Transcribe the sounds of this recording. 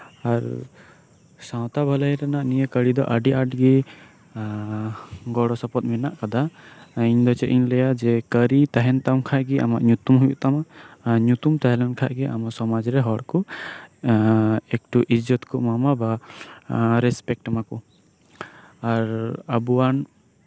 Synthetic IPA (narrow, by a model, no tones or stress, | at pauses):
aɾ | sãw̃t̪abʱaləjɾanaʔnijəkəɽid̪ɔ̰ʔəɖiʔaʈɡi | ɡɔɽɔsɔpɔt̪̚mɛnaʔkad̪aiɲd̪ɔt͡ʃɛʔʔiɲlɛjad͡ʒɛkəɾit̪aɦɛnt̪amkʰaʔɡiʔa̰maʔɲut̪umɦujuʔt̪amaɲut̪umt̪aɦɛlɛnkʰaʔɡiʔamasɔmad͡ʒɾɛɦɔɽkɔ | ɛk̚ʈuʔid͡ʒɔt̪kɔʔmamaba | ɾɛspɛk̚ʈmaku | aɾəbuwan